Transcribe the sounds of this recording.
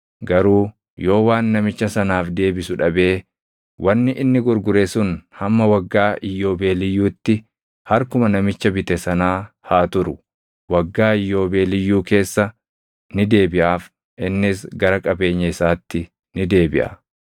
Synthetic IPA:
ɡɐɾuː | jo̞ːwaːnːɐmɪt͡ʃːɐsɐnaːfd̪e̞ːbɪsʊᶑɐbe̞ː | wʔɐnːɪʔɪnːɪɡʊɾɡʊɾesʊnhɐmːɐwɐɡːaːʔɪjːo̞ːbe̞ːlɪjːuːt̪ːɪ | hɐɾkʊmɐnɐmɪt͡ʃːɐbɪt̪ɛsɐnaː | haːt̪ʊɾʊ | wɐɡːaːɪjːo̞ːbe̞ːlɪjːuːke̞ːsːɐ | nɪd̪e̞ːbɪʔaːf | ʔɪnːɪsɡɐɾɐkʼɐbe̞ːɲːɐɪsaːt̪ːɪ | nɪd̪e̞ːbɪʔɐ̰

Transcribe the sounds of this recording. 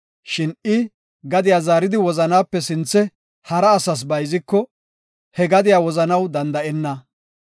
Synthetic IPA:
ʃɪnɪ | ɡɐd̪ɪjaːzaːɾɪd̪ɪwɔzɐnaːpːɛsɪnt͡sːɛ | hɐɾɐːsɐs̬bɐjzɪkːɔ | hɛɡɐd̪ɪjaːwɔzɐnɐwd̪ɐnd̪ɐʔɛnːɐ

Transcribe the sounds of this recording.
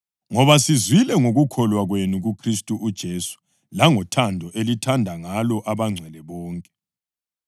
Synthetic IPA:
ŋɔβasizwilɛŋoɣukʰɔlwaɣwenuɣukʰristʼuʔud̥ʒ̥ʱesu̥ | laŋɔtʰandʱɔʔelitʰandʱaŋalɔʔaβaŋ͡ǀʱɛlɛβɔːŋkʼɛ

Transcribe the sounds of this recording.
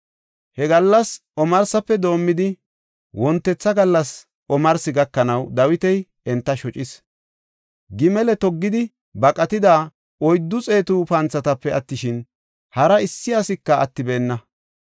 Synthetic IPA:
hɛɡɐlːɐsʔɔmɐɾsɐpːɛd̪o̞ːmːɪd̪ɪ | wɔnt̪ːɛt͡sːɐɡɐlːɐs | ʔɔmɐɾsɪɡɐkːɐnɐwd̪ɐwɪt̪ɛj | ɛnt̪ːɐʃɔt͡ʃʼɪs | ɡɪmɛlɛt̪ɔɡːɪd̪ɪ | bɐkʼɐt̪ɪd̪aː | ɔjd̪ːʊt͡sʼe̞ːt̪upɐnt͡sːɐt̪ɐpːɛɐt̪ːɪʃɪn | hɐɾɐɪsːɪɐsɪkːɐɐt̪ːɪbeːnːɐ

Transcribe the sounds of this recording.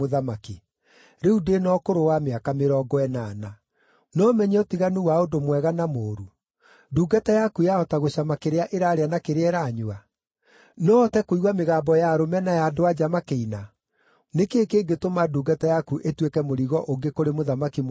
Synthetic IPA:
oðamaki | ɾeudenɔkoɾowameakameɾɔːɡɔɛnaːna | nɔmɛɲɛɔtiɣanuwaondomwɛɣanamoːɾu | duːɡatajakujaɔtaɣoɕamakeɾeaʔeɾaːɾeanakeɾeɛɾaːɲoa | nɔtɛkoiɣwameɣaːmbɔjaɾomɛnajadoad͡ʑamakeina | nekekeːɡetomaduːɡatajakuʔetwekɛmoɾiɣɔʔoŋɡekoɾemoðamakim

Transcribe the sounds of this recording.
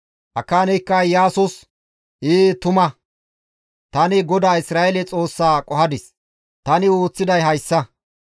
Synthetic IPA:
ʔɐkːaːnɛjkːɐjaːsʊs | iːt̪ʊmɐ | t̪ɐnɪɡɔd̪aːɪsɾaːjɛlɛt͡sʼo̞ːsːaːkʼɔhɐd̪ɪs | t̪ɐnɪoːt͡sːɪd̪ɐjɦɐjsːɐ

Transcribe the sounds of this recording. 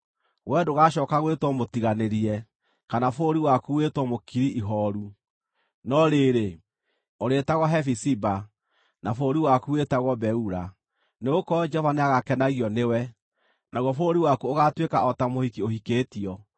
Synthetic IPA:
ɣwɛdoɣaɕɔːkaɣwetwɔmotiɣaneɾiɛ | kanafoɾiwakuwetwɔmokiɾiʔiɦɔɾu | nɔɾeɾe | oɾetaɣɔɦɛfisiba | nafoɾiwakuwetaɣɔbɛuɾa | neɣokɔd͡ʒɔvaneaɣakɛnaɣiɔnewɛ | naɣwɔfoɾiwakuoɣatwekaɔtamohikiohikeːtiɔ

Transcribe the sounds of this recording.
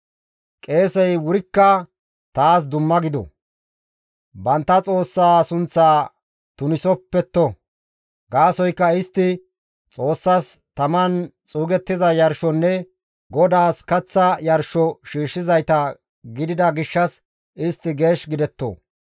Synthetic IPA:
kʼe̞ːsɛjwʊɾɪkːɐ | t̪aːs̬d̪ʊmːɐɡɪd̪ɔ̰ | bɐnt̪ːɐt͡sʼo̞ːsːaːsʊnt͡sːaː | t̪ʊnɪsɔpːɛt̪ːɔ | ɡaːsɔjkːɐɪst̪ːɪ | t͡sʼo̞ːsːɐst̪ɐmɐnt͡sʼuːɡɛt̪ːɪzɐjɐɾʃɔnːɛ | ɡɔd̪aːskɐt͡sːɐjɐɾʃɔʃiːʃːɪzɐjt̪ɐ | ɡɪd̪ɪd̪ɐɡɪʃːɐs | ɪst̪ːɪɡe̞ːʃɡɪd̪ɛt̪ːo̰

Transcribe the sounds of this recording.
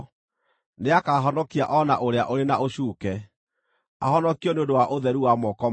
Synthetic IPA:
neakaːɦɔnɔkia̰ʔɔnaʔoɾeaʔoɾenaʔoɕuːkɛ | a̰hɔnɔkiɔneõndowaʔoðɛɾuwamɔkɔ

